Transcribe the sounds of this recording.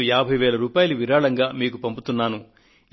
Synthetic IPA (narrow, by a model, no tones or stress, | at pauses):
jaːbʱɐjʋɛːlɐɾuːpaːjɐluʋiɾaːɭɐŋɡaːmiːk̬upɐmput̪unːaːnu